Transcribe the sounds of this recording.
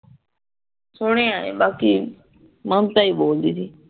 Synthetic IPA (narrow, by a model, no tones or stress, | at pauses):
sʊɽ̃ẽːaːḛːbaːkiː | mə̃nt̪aːiːboːld̪iːsiː